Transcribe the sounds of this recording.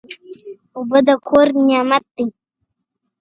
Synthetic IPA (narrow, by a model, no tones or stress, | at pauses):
ubəd̪əkʰoɾnjɑmat̪̚d̪i